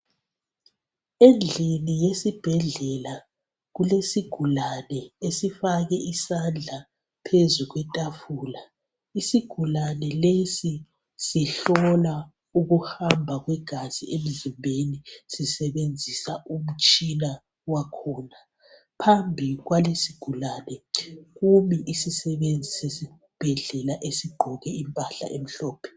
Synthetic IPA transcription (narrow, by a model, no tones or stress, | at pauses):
end͡ɮʱinijesib̥ʱɛɮɛla | ɣulesiɡ̥ʱulanɛesifaɣɛʔisand͡ɮʱa | pʰezuɣwɛtʼafuːla | isiɡ̥ʱulanɛlesi | siɬɔla | uɣuhambʱaɣwɛɡ̥ʱazḭʔem̩zimbʱenisisɛβend͡zʱisaum̩t͡ʃʼina | wakʰɔːna | pʰambʱiɣwalesiɡ̥ʱulaːnɛɣumiʔisisɛβend͡zʱisesi | b̥ʱɛɮɛlaʔesiɡ͡ǃʱɔɣɛimpʼaɬa̰ʔem̩ɬɔːpʰɛ̥